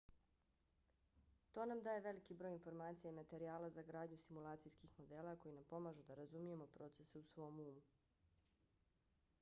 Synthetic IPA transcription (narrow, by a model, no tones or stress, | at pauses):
t̪o̞ːnamd̪aːje̞ʋe̞likibɾoːjinfo̞ɾmaːt̪sijaimat̪e̞ɾiaːlazaɡɾaːd̪ɲusimulˠaːt̪sijskixmo̞d̪eːlako̞jinampo̞maʒud̪aɾazumije̞mo̞pɾo̞ːt̪seseusʋo̞ːmuːmu